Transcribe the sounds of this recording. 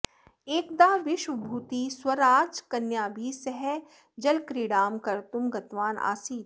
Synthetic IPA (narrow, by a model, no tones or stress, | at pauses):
eːkd̪aːʋɪʃwbʱuːt̪iswɐɾaːd͡ʒkɐnjaːbʱiːsɛɦɛ | d͡ʒɐlkɾiːɽaːmkɐɾt̪ʊmɡɐt̪ʋaːna̰ːsiːt̪